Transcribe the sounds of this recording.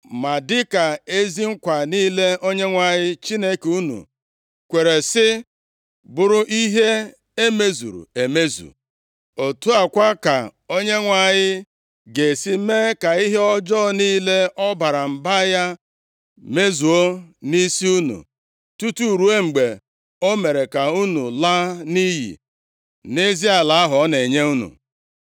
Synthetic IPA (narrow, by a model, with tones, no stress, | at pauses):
ma˨dɪ˦ka˨e˦zi˦ŋ̩˦kʷa˨niː˦le˦o˦ɲe˦ŋʷa˨ɲɪ˦t͡ʃi˦ne˦ku˦nṵ˨ | kʷe˨ɾe˨sɪ˦ | bʊ˨ɾʊ˦ʔi˦ɦe˦ | e˦me˦zṵ˨ɾṵ˨e˨me˦zṵ˨ | o˨tu˦a˨kʷa˦ka˨o˦ɲe˦ŋʷa˨ɲɪ˦ | ɡe˨si˦me˦ka˨i˦ɦe˦ɔ˦d͡ʒɔ˦niː˦le˦ɔ˦ba˨ɾa˨m̩˨ba˦ja˦ | me˦zu˨o˦ni˦si˦u˦nṵ˨ | tu˦tu˦˨ɾu˦e˦ŋ͡m̩˨ɡ͡be˨ | o˦me˨ɾe˨ka˨u˦nu˨la˦ni˦ɦḭ˨ | ne˦zi˦a˨la˨˦a˦ɦɔ˨˦ne˨ɲe˦u˦nṵ˨